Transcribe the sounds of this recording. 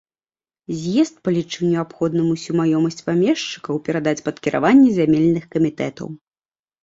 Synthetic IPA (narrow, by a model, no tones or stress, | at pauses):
zʲjɛst̪̚pɐlʲit͡ʂɨwnʲɛapxɔd̪nɨmusʲumajɔmɐsʲt͡sʲpamʲɛʂt͡ʂɨ̥kɐwpʲɛɾad̪at͡sʲpɐt̪kʲiɾʔa̰vanʲːɛzʲamʲelʲnɨxkɐmʲit̪ɛt̪ɐ̰w